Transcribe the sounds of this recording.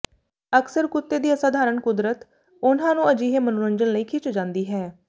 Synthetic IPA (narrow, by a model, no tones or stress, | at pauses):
əksəɾkʊt̪ːeːd̪iːəsaːd̪ʱaːɾəɳkʊd̪ɾət̪ | ʊnãːnũːəd͡ʒiːɦeːmənʊɾəɲd͡ʒənləiːkʰɪt͡ʃd͡ʒãːnd̪iːɦɛː